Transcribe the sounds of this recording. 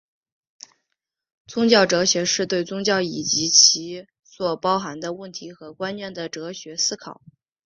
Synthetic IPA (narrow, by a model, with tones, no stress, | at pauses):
t͡sʊ˥ŋt͡ɕjɑ˥˩ʊʈ͡ʂɤ˧˥ɕɥɛ˧˥ʂɻ̩˥˧t̪we˥˩ɪt͡sʊ˥ŋt͡ɕjɑ˥˩ʊi˨˩t͡ɕi˧˥t͡ɕʰi˧˥ | swɔ˨˩pɑ˥ʊxa˧˥nd̪ə˧wə˥˩nt̪ʰi˧˥xɤ˧˥kwa˥nɥɛ˥˩nd̪ə˩ʈ͡ʂɤ˧˥ɕɥɛ˧˥sɹ̩˥kʰɑ˨˩˦